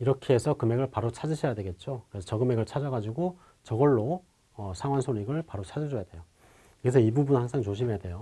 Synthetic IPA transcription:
iɾʌkʰeːsʰʌkɯme̞ɡɯɭpaɾot͡ɕʰad͡ʑiɕʰʌjadwe̞ɡe̞t̚t͡ɕ͈okɯɾesʰʌt͡ɕʌɡɯme̞ɡɯɭt͡ɕʰad͡ʑʌɡad͡ʑiɡo | t͡ɕʌɡʌɭːo | ʌsʰaŋwansʰoɲiɡɯɭpaɾot͡ɕʰad͡ʑʌd͡ʑʌjadwe̞jo | kɯɡesʰʌibubunhaŋsʰaŋt͡ɕoɕʰimejadwe̞jo

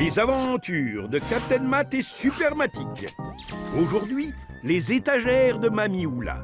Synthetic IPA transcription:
lezavɑ̃t̪yːʁd̪əkap̚t̪ɛnmat̪ɛsypɛʁmat̪ik | oʒuʁd̪ɥi | lezet̪aʒɛʁd̪əmamiula̰

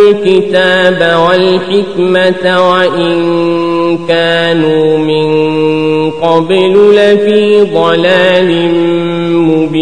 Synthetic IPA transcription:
lkɪt̪aːbawalħɪkmatwaʔɪnn | kaːnumɪn | qɑbɪlʊlafiːd̪ˤɑlaːlɪmmʊbi

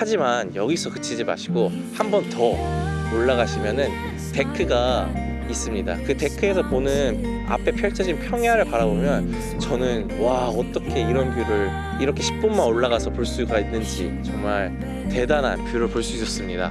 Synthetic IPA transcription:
had͡ʑimanjʌɡisʰʌkɯ̥t͡ɕʰid͡ʑima̰ɕʰiɡo | hambʌntʌoɭːaɣaɕʰimjʌnɯn | te̞kʰɯɡa | is͈ɯmɲida̰kɯte̞kʰɯe̞s̬ʰʌponɯn | a̰pʰe̞pʰjʌɭt͡ɕʰʌd͡ʑinpʰjʌŋɦjaɾɯɭpaɾabomjʌn | t͡ɕʌnɯn | waʌt͈ʌkʰe̞iɾʌnkjuɾɯɭ | iɾʌkʰe̞ɕʰi̥p̚p͈unmanoɭːaɣasʰʌpoɭs͈uɡainːɯnd͡ʑḭt͡ɕʌŋmaɭ | te̞dana̰npjuɾɯɭpoɭs͈uis͈ʌs͈ɯmɲida̰

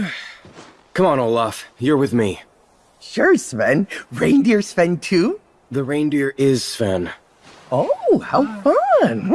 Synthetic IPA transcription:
kʰʌ̃mə̃noʊlɑfjə˞wɨðmi | ʃʊɹsvɛ̃nɹẽɪ̃ndɪɹsfɛ̃ntʰʉ | ðɨɹẽɪ̃ndɪɹɪz̥sfɛ̰̃n | ohaʊfʌ̃n

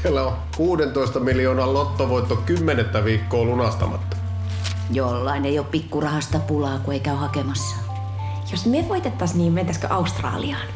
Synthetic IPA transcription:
selːæo | kuːdent̪oist̪ɑmiljoːnɑllot̪ːoʋoit̪ːokymːenet̪ːæʋiːkːoːlunɑst̪ɑ̰mɑ̰t̪ːɑ̥ | jolːɑineioppikːurɑhɑst̪ɑpulɑːkueikæyhɑkemɑsːɑ̥ | josmyeʋoit̪et̪ːɑsniːment̪æskø̰ʔɑust̪rɑ̰ːliɑːn

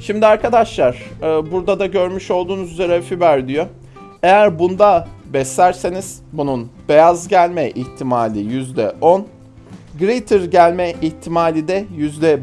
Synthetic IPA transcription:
ʃimd̪iaɾkʰad̪aʃlˠaɾ̥ɯːbuɾd̪ad̪aɟø̞ɾmyʃo̞lˠd̪uːnuzyze̞ɾɛfibæɾd̪ijo | e̞jæɾbund̪abɛslʲæɾseniz̥ | bununbe̞jazɟælʲmɛʔiçt̪ʰimaːlʲijyzd̪ɛ̰ʔon | ɡɾit̪ʰɯɾɟælʲmɛʔiçt̪ʰimaːlʲid̪ɛjyzd̪ɛ

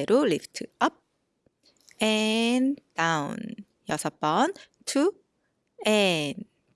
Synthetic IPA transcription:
ɾuliftʰʌp̚ | ɛndawn | jʌsʰʌpʌn | tʰu | ɛn

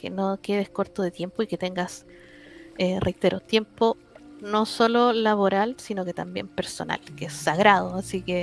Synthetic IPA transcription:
kḛnoke̞ð̞ehko̞ɾt̪oðet̪je̞mpoiket̪e̞ŋɡas | erʔejt̪e̞ɾʔot̪je̞mpo | no̞sololaβoɾalsinoke̞t̪ambje̞̰mpeɾso̰nʔa̰lkeesːaɣɾað̞oasike

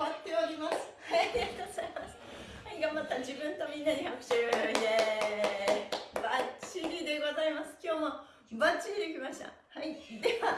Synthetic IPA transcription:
bat̪ːe̞oɾʲimasɨ̥haaɾʲioɡoz̥aimasɨ̥ | haiɡãmbat̪ːad͡ʑibɯ̟̃nt̪o̞mʲĩnːaɲihakɯ̟̥ɕoɾɯojoid̪e | bat͡ɕiɾʲid̪e̞ɡo̞zaimasɨ̥kʲo̞ːmo̞ | bat͡ɕiɾʲid̪e̞kʲimaɕi̥t̪a̰haid̪e̞βa

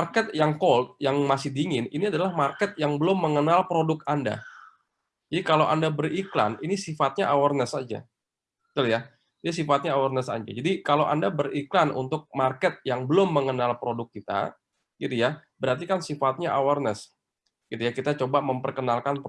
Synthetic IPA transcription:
arkɛt̪̚jaŋkolt̪̚jaŋmasɪhdiŋɪniniadalahmarkɛt̪̚jaŋbəlʊmːəŋənalpɾodʊkanda̰ | d͡ʒadikalawʔa̰ndabərikla̰ninisifat̪̚ɲaʔawarnəsad͡ʒa̰ | t̪ulja | dis̬ifat̪̚ɲaːwarnəsa̰d͡ʒa̰d͡ʒadikalawʔa̰ndabəɾiklanʔṵnt̪ʊk̚markɛt̪̚jaŋbəlʊmːəŋənalpɾodʊkːit̪a̰ | ɡ̥it̪ujabəɾart̪ikansifat̪̚ɲaʔawarnəs | ɡ̥it̪ujakit̪at͡ʃobaməmpərkənalkanp

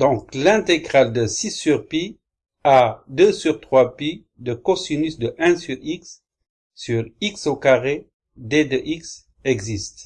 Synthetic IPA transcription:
d̪ɔ̃klɛ̃t̪eɡʁald̪əsisyʁpi | ad̪øsyʁt̪χwapi | d̪əkɔsunysd̪əʔɛ̃syʁiksː | yʁiksokaʁe | d̪ed̪əʔiks | ɛɡzist̪

